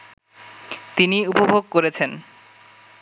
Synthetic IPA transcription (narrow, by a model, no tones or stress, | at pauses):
t̪iniupobʱoɡ̚koɾet͡ɕʰen